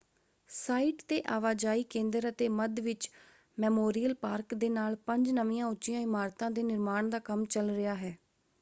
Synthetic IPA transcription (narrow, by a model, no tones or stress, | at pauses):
saːiːʈt̪eːʔaːʋaːd͡ʒaːiːkẽːnd̪əɾət̪eːməd̪ʋɪt͡ʃ | mɛːmoːɾijəlpaːɾkd̪eːnaːlpəɲd͡ʒnəʋĩjãːʊtːʃijãːɪmaːɾt̪ãːd̪eːnɪɾmaːɳd̪aːkəmt͡ʃəlɾɪjaːɦɛː